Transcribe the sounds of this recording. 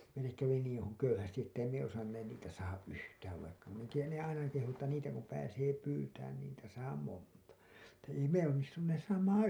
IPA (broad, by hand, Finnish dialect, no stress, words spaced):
meilːek kæʋi niːĩ hu køyhæsti etːæ ei me osɑnːeːn niːtæ sɑːhɑʔ ʔyhtæːʋ ʋɑikːɑ min en tiːjæn ne ɑinɑ kehu etːæ niːtæ kum pæːseː pyːtæːn ni niːtæ sɑː montɑ etːæ ei me onːistunːeːs sɑːmɑːɑ̃